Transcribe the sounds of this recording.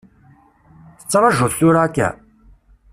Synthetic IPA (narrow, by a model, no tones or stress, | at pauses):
θə̥t͡sːɾˤɑʒʊθθʊɾaːkːæ̰